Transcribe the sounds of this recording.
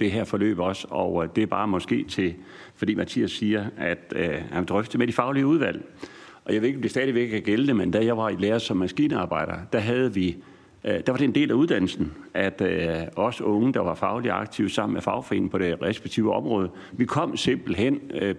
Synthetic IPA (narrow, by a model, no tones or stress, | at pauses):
d̥e̝ɦeɐ̰fɒ̽lø̰ːb̥ɒ̽sɒʊd̥e̝æb̥ɑ̈ːmɒ̽sɡ̥e̝̰ːt͡sʰe̝ | fɒ̽d̥ḭːmæt͡sʰḭːæsːiːɐæd̥hænd̥ʁœfd̥əmed̥ifɑ̈ʊliəuð̞ˠʋæl̰ | ʔɒ̽jɑɪeðˠe̝ɡ̥ɒmdesd̥ɛːðˠiʋeɡ̥kʰæɡ̥elnəmend̥æjɑ̈ʋɑ̈ileːɐsɒ̽mːæsɡ̥ḭːnəɑ̈ːb̥ɑ̈ɪ̰ɾ̥ɐd̥æɦæð̞ˠəʋi | d̥æʋɑɾ̥e̝end̥e̝̰ːlæuðˠd̥æn̰l̩sn̩ʔæd̥ɒ̽sɔ̽ŋəd̥ɑ̈ʋɑ̈fɑ̈ʊliɑ̈ɡ̥̚t͡sʰiʊsɑ̈m̰n̩mefɑ̈ʊfɒe̝n̰pʰɒ̽ɾ̥e̝ʁɛsb̥e̥ɡ̥̚t͡sʰḭːʊəɒ̽mʁɔ̽ːð̞ˠə | ʋikʰɒ̽m̰se̝m̰b̥l̩ɦen̰